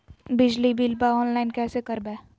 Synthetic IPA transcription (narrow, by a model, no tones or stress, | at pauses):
bɪd͡ʒlibilbaɔːnlaːɪnkɛːsekəɾbɛː